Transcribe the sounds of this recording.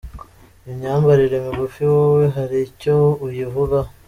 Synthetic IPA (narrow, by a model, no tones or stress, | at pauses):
imɲaːmɡaɾiɾe̞miɡufiwoweɦaɾicoujivuβa